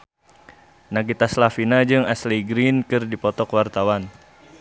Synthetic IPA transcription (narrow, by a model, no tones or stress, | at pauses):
naɡit̪aslafinad͡ʒɨŋasliɡɾinkɨrdipɔt̪ɔkwart̪awan